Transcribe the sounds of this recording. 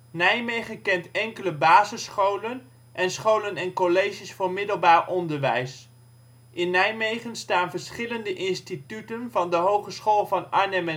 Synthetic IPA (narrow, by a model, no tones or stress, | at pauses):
nɛjmejχəkɛntɛŋkələbaːzəsχowlən | ʔɛnsχowlənɛnkolejʒisfʊːɹmɪdəlˠbaːɹʔɔndəɹʋɛ̰js | ʔɪnːɛjmejχənstaːnvəɹsχɪləndəʔɪnstitytənvɑndəɦowχəsχoːlˠvɑnanəmɛ